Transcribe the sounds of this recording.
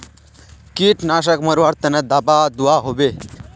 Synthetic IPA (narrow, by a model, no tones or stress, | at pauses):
kiːʈnaʃ̬əkməɾʋaɾt̪ənəd̪apad̪uaɦobe